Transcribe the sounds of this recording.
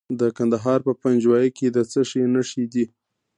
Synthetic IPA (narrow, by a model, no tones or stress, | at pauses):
d̪əkand̪aɦɑɾpəpand͡ʒwɑjəked̪ət͡səʃenaʂid̪i